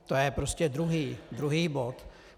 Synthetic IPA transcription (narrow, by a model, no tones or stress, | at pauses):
t̪ojɛpɾoscɛd̪ɾuɦiːd̪ɾuɦiːbot̪